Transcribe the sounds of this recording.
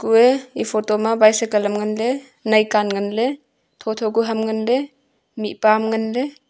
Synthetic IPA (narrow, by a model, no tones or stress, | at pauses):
kueipʰɔtɔmabajsekalamŋanle | najkanŋanle | tʰɔtʰɔɡuɦamŋanle | mipamŋanle